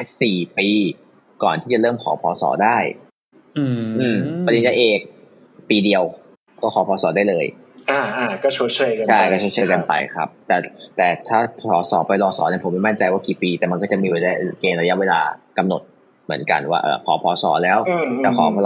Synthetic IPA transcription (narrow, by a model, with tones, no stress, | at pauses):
siː˨˩piː˧ | kɔː˨˩nt̪ʰiː˥˩t͡ɕa˨˩lɤː˥˩mkʰɔː˩˦pʰɔː˨˦sɔ̰ː˩˦daː˥˩j | ʔɯː˧˩mpa˧d̪i˧˦nt͡ɕa˧jʔeː˧˩k̚ | piː˧di˧əw | kɔː˥˩kʰɔː˨˦pʰɔː˨˦sɔː˩˦daː˥˩jlɤː˧j | ʔaː˧˩ʔaː˧˩kɔː˥˩t͡ɕʰu˦˥˩t͡ɕʰɤː˧jka˧t͡ɕʰa˥˩jkɔː˥˩t͡ɕʰu˥˩t͡ɕʰɤː˧jka˧npa̰˧jkʰa̰˦˥p̚t̪ɛː˨˩t̪ɛː˨˩t̪ʰaː˥˩pʰɔː˩˦sɔ̰ː˩˦pa˧jlɔː˧sɔ̰ː˩˦na˥˩pʰo˩˦mːa˥˩jma˥nt͡ɕa˧jwaː˥˩kiː˨˩piː˧t̪ɛː˨˩ma˧nkɔː˥˩t͡ɕa˨˩ʔmiː˧weː˧˩laː˧˥˩keː˧mɾa˧ja˦˥ʔweː˧la̰ː˧ka˧mno˨˩t̪̚ | mɯ˩˦ənka̰˧nwaː˥˩ʔɤ̰ː˨˩pʰɔ̰ː˩˦pʰɔː˨˩˦sɔ̰ː˩˦lɛː˦˥wtɛː˨˩kʰɔː˨˩˦pʰː